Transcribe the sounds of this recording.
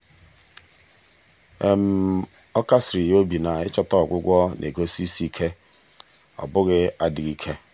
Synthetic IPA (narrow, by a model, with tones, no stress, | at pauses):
e˦m̩˨˦ | ɔ˦ka˦sɾi˨jo˦bi˨na˨ɪ˦t͡ʃɔ˦tɔ˦ɔ˨ɡʷʊ˦ɡʷɔ˦nʔḛ˨ɡo˦si˦si˦kʰe˦ | ɔ̰˨bʊ˦ɣɪ˦a˦dɪ˨ɣi˦kʰe˦